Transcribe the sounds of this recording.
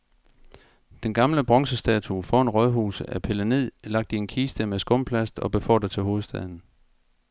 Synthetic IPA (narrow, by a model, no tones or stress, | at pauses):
d̥enɡ̥ɑ̈mləb̥ʁɒ̽ŋsəsd̥ɛːt͡sʰufɒe̝nʁɒðˠɦuːsəæpʰe̝læneð̰ˠlɑ̈ɡ̥̚d̥ienkʰiːsd̥əmesɡ̥ɔ̽m̰pʰlæsd̥ɒ̽b̥e̝fɒ̰ːd̥æt͡sʰe̝lɦo̝ːð̞̩ˠsd̥ɛð̞ˠn̩